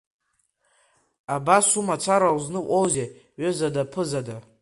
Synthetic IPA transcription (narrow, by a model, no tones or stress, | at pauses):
abasumat͡sʰaɾawznɨʔʷowze | ɥøzadapʰɨzada